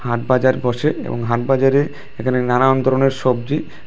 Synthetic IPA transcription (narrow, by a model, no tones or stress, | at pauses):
haʈbad͡ʑaɾbʱɔʃeḛbo̰ŋɦaʈ̚bad͡ʑaɾe | ekʰanenanaond̪ʱɔɾoneɾʃɔb̚d͡ʑi